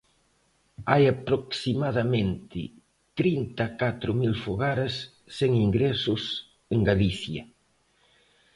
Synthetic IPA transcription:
ajapɾoksimaðɐmẽnt̪ɪ̰ | t̪ɾint̪akat̪ɾʊmilfoɣaɾasː | eŋiŋɡɾɛsʊs | eŋɡaliθjɐ̰

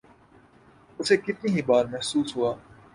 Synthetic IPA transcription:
ʊsekɪt̪niɦibaːɾmɛɦsuːsɦuaː

